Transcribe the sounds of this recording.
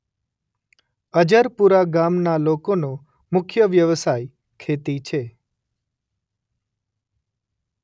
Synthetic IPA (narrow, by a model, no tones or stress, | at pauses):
əd͡ʒəɾpuɾaɡamnalokono | mʊkʰjəʋjəʋsaj | kʰet̪it͡ʃʰe